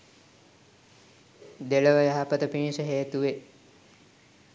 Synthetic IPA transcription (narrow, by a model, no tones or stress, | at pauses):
d̪eləʋəjəɦapət̪əpinsəɦeːt̪uʋe